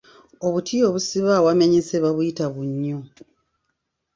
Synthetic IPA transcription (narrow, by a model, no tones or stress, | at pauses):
o̞βutʰio̞βusiβawameɲiseβaβujitaβuɲːo